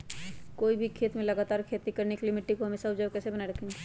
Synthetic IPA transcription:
koːibʱikʰeːt̪mẽlɐɡaːt̪aːɾkʰeːt̪ikəɾneklɪmɪʈːikoɦɐmeːsaʊd͡ʒabkɛːsebɐnaeɾɐkʰẽːŋɡe

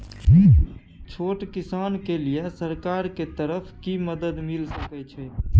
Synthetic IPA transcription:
t͡ʃʰoːʈkisankelijesəɾkaɾket̪əɾəpʰkiməd̪əd̪milsəkɛt͡ʃʰɛ

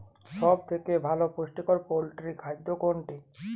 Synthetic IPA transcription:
ʃɔb̚t̪ʰekebʱalopoʃʈikoɾpolʈɾikʰajd̪ːokoɳʈe

